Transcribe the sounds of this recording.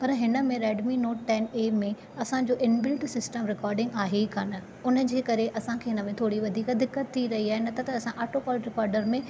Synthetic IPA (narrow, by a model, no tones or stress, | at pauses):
pɐɾɦɪnəmẽɾɛːɖminoːʈʈɛːnemẽ | ɐsãd͡ʑoːʔɪnbɪlʈsɪsʈəmɾɪkɔːɾɖɪ̃ŋɡaːɦekʰaːnə | ʊnə̆d͡ʑeːkɐɾeʔɐsãkʰeːɦɪnəmẽt̪ʰoːɽiʋɐd̪ʱiːkd̪ɪkːət̪ʰːiɾɐɦiaːɦenɐt̪ɐt̪ɐːsãʔaːʈopɔːlʈɾɪkɔːɾɖəɾmẽ